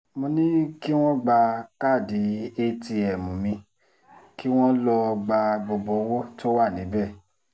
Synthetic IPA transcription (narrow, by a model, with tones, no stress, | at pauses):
mõ˧nĩ˦ki˦w̃ɔ̃˦ɡ͡ba˧ka˦˨di˨˦e˦ti˧ɛ˨mũ˨mĩ˧ | ki˦w̃ɔ̃˦lɔ˧ɡ͡ba˧bɔ˧bɔ˧˦wɔ˦to˦wa˦˨nĩ˨˦bɛ˦˨